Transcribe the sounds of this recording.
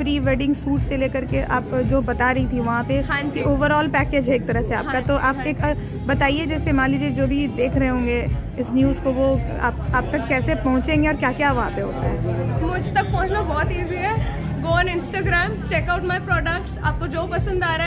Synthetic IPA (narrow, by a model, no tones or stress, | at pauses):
fɾiːʋeːɖɪ̃ŋɡsuːʈseleːkɐɾkeʔa̰ːpd͡ʒoːbɐt̪aɾɐɦit̪ʰiʋɐɦãpeɦãːd͡ʒioːʋəɾɔːlpɛːkeːd͡ʒɦɛeːk̚t̪ɐɾəɦsea̰ːp̚kat̪oʔaːpeːk | bɐt̪aːied͡ʒɛːsemãːlid͡ʒid͡ʒoːbʱid̪eːkʰɾɐɦeɦõːŋɡe | ɪsnjuːzkoʋo | a̰ːpaːp̚t̪ɐkːɛːsepɐɦʊ̃t͡ʃẽːŋɡeɔːɾkjaːkjaːʋɐɦãpeɦoːt̪aɦɛːmʊd͡ʒʱt̪ɐk̚pɔɦʊ̃t͡ʃnabɔːt̪iːziɦɛː | ɡoːnɪ̃nsʈaːɡɾɛːmt͡ʃeːkaʊʈmaːjpɾɔːɖək̚ʈsa̰ːp̚kod͡ʒoːpɐsə̃nd̪aːɾa